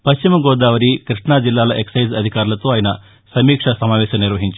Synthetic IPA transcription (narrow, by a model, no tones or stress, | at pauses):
pɐʃt͡ʃimɐɡɔːd̪aːʋɐɾikɾiʂɳaːd͡ʒilːaːlɐʔeksɐjzɐd̪ʱikaːɾulɐt̪oːaːjɐnɐ | sɐmiːkʂɐsɐmaːʋɛːʃɐmniɾʋɐɦiɲt͡ʃ